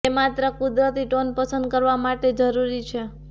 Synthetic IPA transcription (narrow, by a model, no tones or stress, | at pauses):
emat̪ɾəkud̪ɾət̪iʈonpəsə̃nd̪̚kəɾʋamaʈed͡ʒəɾuɾit͡ʃʰe